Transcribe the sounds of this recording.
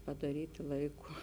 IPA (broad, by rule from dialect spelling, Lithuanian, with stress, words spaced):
pɐdɐˈrʲiːtʲɪ ˈlˠɐɪˌkʊ